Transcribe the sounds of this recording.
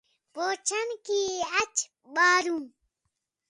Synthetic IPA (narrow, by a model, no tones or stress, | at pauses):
poːt͡ʃʰənkiːɐt͡ɕʰ | ɓaːɾũː